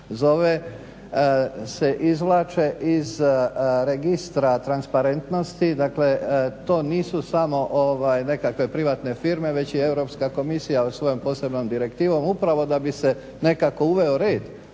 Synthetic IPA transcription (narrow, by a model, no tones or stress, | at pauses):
zo̞ʋe | se̞ʔizʋlˠaːt͡ʃe̞ʔizɾeɡist̪ɾat̪ɾanspaɾe̞nt̪no̞st̪id̪akle̞t̪o̞ːniːsusamo̞ʔoʋajne̞kakʋe̞pɾiʋaːt̪ne̞fiːɾme̞ʋe̞t͡ɕie̞wɾo̞pskako̞misijaosʋo̞jompo̞ːse̞bno̞md̪iɾekt̪iːʋo̞mupɾaʋo̞d̪abise̞ | ne̞kako̞uʋe̞oɾe̞ːd̪